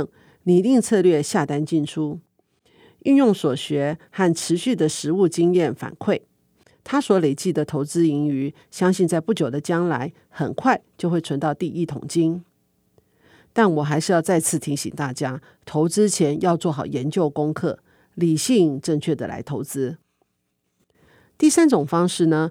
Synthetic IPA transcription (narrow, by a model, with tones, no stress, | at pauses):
ni˨˩li˥˧ŋt͡sʰɤ˥˧lɥɛ˥˧ɕja˥˩t̪a˥nt͡ɕi˥˩nʈ͡ʂʰu˥ | y˥˧njʊ˥˩ŋswɔ˨˩ɕɥɛ˧˥xa˥˩nʈ͡ʂʰɻ̩˧˥ɕy˥˩d̪ə˨˩ʂɻ̩˧˥u˥˩t͡ɕi˥ŋjɛ˥˩nfa̰˨˩nkʰwe˥˩ɪ | t̪ʰa˥swɔ˧˥le˨˩ɪt͡ɕi˥˩d̪ə˩t̪ʰo˧˥ʊt͡sɹ̩˥i˧˥ŋy˧˥˦ | ɕjɑ˥ŋɕi˥˧nt͡sa˥˧ɪpu˥˩t͡ɕjo˨˩ʊd̪ə˦t͡ɕjɑ˥ŋla˧˥ɪ | xə̰˨˩nkʰwa˥˧˩ɪt͡ɕjo˥˧ʊxwe˥˩ɪʈ͡ʂʰə˧˥nt̪ɑ˥˧ʊt̪i˥˩ʔi˥˩t̪ʰʊ̰˨˩ŋt͡ɕi˥ŋ | t̪a˥˩nwɔ˨˩xa˧˥ɪʂɻ̩˧jɑ˥˧ʊt͡sa˥˧ɪt͡sʰɹ̩˥˩t̪ʰi˧˥ŋɕḭ˨˩ŋt̪a˥˩t͡ɕja˥ | t̪ʰo˧˥ʊt͡sɹ̩˥t͡ɕʰjɛ˧˥njɑ˥˧ʊt͡swɔ˥˩xɑ˨˩ʊjɛ˧˦˥nt͡ɕjo˥˩ʊkʊ˥ŋkʰɤ˥˩ | li˨˩ɕi˥˧ŋʈ͡ʂɤ˥˧ŋt͡ɕʰɥɛ˥˩d̪ə̰˨˩la̰˧˥ɪt̪ʰo˧˥ʊt͡sɹ̩˥ | t̪i˥˩sa˥nʈ͡ʂʊ˨˩ŋfɑ˥ŋʂɻ̩˥˩nə˩